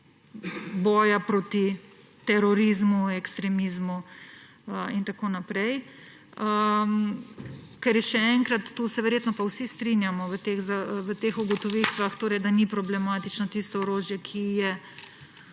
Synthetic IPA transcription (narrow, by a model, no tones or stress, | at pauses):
bɔːjapɾoːt̪i | t̪ɛɾɔɾizmuɛkst̪ɾɛmiːzmu | əint̪akoːnapɾɛj | əm | kɛɾjɛʃɛɛŋkɾat̪ːuːsɛʋɛɾjeːt̪nɔpawsist̪ɾinjamɔʋət̪exzaʋət̪eːxuɡɔt̪ɔʋit̪ʋaxt̪oːɾɛjd̪anipɾɔblɛmaːt̪it͡ʃnɔt̪ist̪ɔɔɾoːʒjɛkʰijɛ